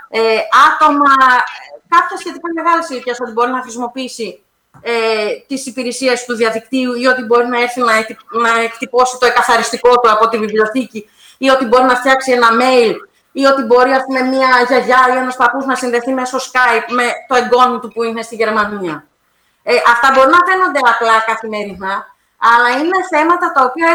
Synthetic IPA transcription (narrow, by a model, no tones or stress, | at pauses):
eɐt̪o̞mɐ | kɐpçɐsçe̞t̪ikɐme̞ɣɐlisiciɐso̞t̪ibo̞ɾinɐxɾisimo̞piisi | et̪isipiɾesie̞st̪uðiɐðik̚t̪iuiot̪ibo̞ɾinɐe̞ɾθinɐenɐekt̪ipo̞sit̪o̞e̞kɐθɐɾist̪iko̞t̪uɐpo̞t̪ivivlʲo̞θici | io̞t̪ibo̞ɾinɐft̪çɐksie̞nɐme̞il | io̞t̪ibo̞ɾiɐspume̞miɐʝɐʝɐienɐspɐpuznɐsinðe̞θime̞so̞skɐjp̚me̞t̪o̞e̞ŋɡo̞not̪upuine̞st̪iʝe̞ɾmɐniɐ | eʔɐft̪ɐbo̞ɾinɐfe̞no̞nd̪e̞ɐplɐkɐθime̞ɾinɐː | lɐineθe̞mɐt̪ɐt̪ɐo̞piɐ